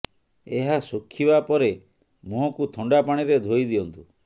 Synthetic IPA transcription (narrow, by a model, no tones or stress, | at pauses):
eɦasokʰːibapɔɾe | muɦɔkut̪ʰɔɳɖapaɽ̃iɾed̪ʱoid̪iɔnt̪u